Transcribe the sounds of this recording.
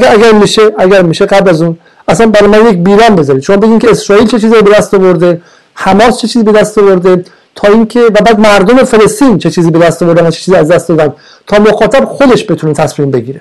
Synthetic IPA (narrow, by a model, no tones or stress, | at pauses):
æɡæɾmiːʃeʔæɡʲæɾmiːʃe̞ɡæblæzuːn | æsænbæɾɒjmænjecbiːɾɒːnbe̞zɒːɾid̪ʃo̞mɒːbe̞ɡʲiːmcʰʲeesɾɒːiːlt͡ʃʰet͡ʃʰiːziɾobeæst̪ɒvoɾd̪e | hæmɒːst͡ʃʰe̞t͡ʃʰiːzibe̞d̪æst̪ovoɾd̪e̞ | t̪ʰɒːiːŋcʰe̞væbæːd̪mæɾd̪ome̞fe̞le̞st̪iːnt͡ʃʰe̞t͡ʃʰiːziːbe̞d̪æst̪ovoɾd̪ænæt͡ʃʰe̥t͡ʃʰiːziːæzd̪æst̪d̪ɒːd̪ænd̪̥ | t̪ʰɒːmoxɒːt̪ʰæbxo̞d̪e̞ʃbe̞t̪ʰune̞t̪ʰæsmiːmbe̞ɡiːɾe